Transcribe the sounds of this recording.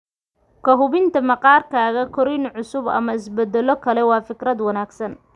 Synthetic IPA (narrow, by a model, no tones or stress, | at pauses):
kʰɐɦʊβɪnt̪ʰɐmɐqɑːrkʰaːɣɐkʰɔɾɪnʕʊsʊbɐ̰mɐɪsbɛd̪ɛlɔkʰɐlɛwɑːfɪkɾɐd̪wɐnaːɡsɐn